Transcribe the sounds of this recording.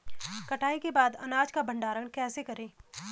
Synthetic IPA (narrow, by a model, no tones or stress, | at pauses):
kɐʈʰaːikebaːd̪ɐ̰naːd͡ʒkabʱɐ̃ɳɖaːɾəɽ̃kɛːsekɐɾẽː